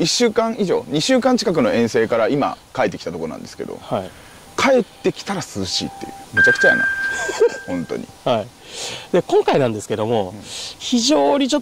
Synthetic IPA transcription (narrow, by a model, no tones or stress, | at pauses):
iɕːɨːkãɰ̃iʑo̞̰ːɲ̟iɕɨːkãɲ̟t͡ɕi̥kakɯ̟no̞ẽ̞ɰ̃seːkaɾaima̰kaet̪ːkʲit̪at̪okoonã̰nd̪esɨ̥ke̞d̪o̞̰hai | kʰae̞t̪ːe̞kʲi̥t̪aɾasɨɨɕḭːt̪ːe̞̰jɯ̟met͡ɕakɯ̥t͡ɕaja̰na̰ | hõ̞nt̪o̞̰ɲḭhai | d̪ekõ̞ŋkainãnd̪e̞sɨ̥ke̞d̪o̞mo̞çiʑo̞ːɲ̟it͡ɕo